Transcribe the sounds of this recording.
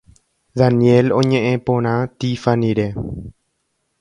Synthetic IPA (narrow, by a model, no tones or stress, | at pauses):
ðanjelõɲẽʔẽpõɾ̃ãt̪ifanĩɾe